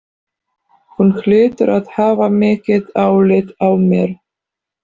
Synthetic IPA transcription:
hunxlʏːt̪ʏɾaðhaːvamɪːcɪðaːwlɪðawmjɛɾ̥

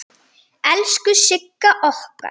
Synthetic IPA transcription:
ɛlskʏʃɪkːaʔɔhka̰

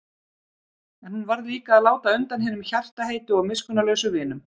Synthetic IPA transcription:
ɛnhunvaɾðliːkaːðlaːwt̪aʏnt̪anɦɪːnʏmçar̥t̪aɦejt̪ʏɔmɪskʏnalœɥsʏvɪːnʏm

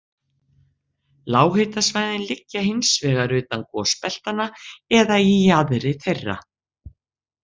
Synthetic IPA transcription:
laːwɦɪt̪asvajðɪnlɪcːaɦɪnsvɛːɣaɾʏːt̪ankɔspɛl̥t̪anaɛðaiaðɾɪθejrːa̰

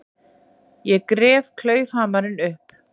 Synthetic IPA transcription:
jɛkɾɛːvkʰlœːɥfaːmaɾɪnʏhp

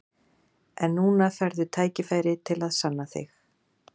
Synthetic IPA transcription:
ɛnːuːnafɛɾðʏt̪ʰaːjcɪfaːjɾɪt̪ʰɪlaðsanːaθɪ̰x

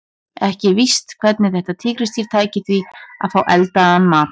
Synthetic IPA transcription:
ɛhcɪvist̪kʰv̥ɛt̪nɪθɛht̪at̪ʰɪːkɾɪst̪ʰiɾ̥t̪ʰaːjcɪθvia̰ðfaːwʔɛlt̪aanːmaːt̪

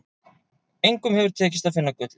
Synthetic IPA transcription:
ejŋkʏmhɛvʏɾ̥t̪ʰɛːcɪst̪afɪnːakœːt̪lɪ

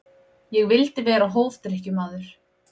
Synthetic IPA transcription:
jɛɣvɪlt̪ɪvɛːɾaɦoːwft̪ɪɾɛhcʏmaːðʏɾ̥

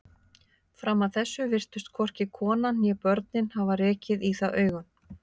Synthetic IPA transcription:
fɾamːaðθɛsːʏvɪr̥t̪ʏst̪̚kʰɔr̥cɪkʰɔːnajɛpœɾt̪nɪnhavarɛːcɪðiθaðʔœːɥɣʏn

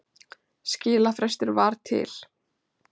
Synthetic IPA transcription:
scɪːlafɾɛst̪ʏɾvaɾ̥t̪ʰɪ̰l̥

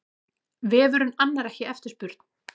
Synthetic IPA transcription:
vɪvœːɾʏmanːaɾɛhcɪɛft̪ɪ̥ɾspʏɾ̥t̪n̥

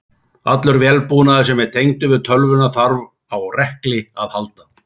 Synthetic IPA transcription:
at̪lʏɾvjɛlpuːnaðɪsɛmɛðt̪ʰejŋt̪ʏvɪðt̪ʰœlvʏnaθaɾv | awrɛhklɪaðhalt̪a

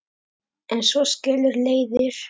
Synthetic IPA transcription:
ɛnsɔscɛːlʏɾleːjðɪɾ̥

